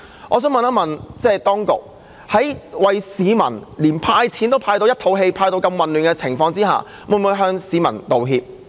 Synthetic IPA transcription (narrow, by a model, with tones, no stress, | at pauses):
ʔɔː˨˧sœː˨˥ŋmɐ˨naː˥mɐ˨nt͡sɛː˥˩t̪ɔː˥ŋkʊ̰˨k̚ | hɐ˨˥jwɐ˨jsiː˨˧mɐ̰˨˩nliː˨˩npʰaː˧jt͡sʰiː˨˥nt̪o˥wpʰaː˧jt̪o˧wjɐ˥t̪ʰo˨˧wɦe˧jpʰaː˧jt̪o˧wkɐ˧mwɐ˨nlyː˨˩nkɛː˧t͡sʰɪ˨˩ŋfɔː˧ŋt͡siː˥ɦa̰ː˨ | muː˨˩mu˨˧jɦœː˧ŋsiː˨˧˥mɐ̰˨˩nt̪o˨wɦiː˧p̚